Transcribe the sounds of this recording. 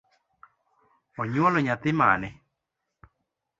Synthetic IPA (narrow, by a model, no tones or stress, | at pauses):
ɔɲwɔlɔɲat̪ɪma̰nɛ